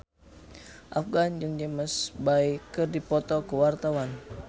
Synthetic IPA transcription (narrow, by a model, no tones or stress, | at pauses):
ʔafɡand͡ʒɨŋd͡ʒɛməsbaikɨrdipɔt̪ɔkəwart̪awan